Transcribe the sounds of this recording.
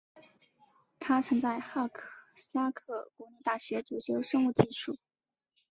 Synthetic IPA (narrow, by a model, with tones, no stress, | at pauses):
t̪ʰa˥t͡sʰɤ˧˥ŋt͡sa˥˧ɪxa˥˩kʰsa˥kʰɤ˥˩kwɔ˧˥ni˥˧t̪a˥˩ɕɥɛ˧˥ʈ͡ʂu˨˩ɕʰjo˧˥ʊʂɤ˥ŋu˥˧t͡ɕi˥˧ʂu˥˩